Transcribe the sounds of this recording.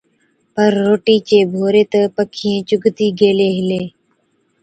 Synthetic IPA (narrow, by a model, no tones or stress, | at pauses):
pəɾːoːʈiːt͡ʃeːbʱoːɾeːt̪əpəkʰiːẽːt͡ʃʊɡt̪iːɡeːleːɦɪleː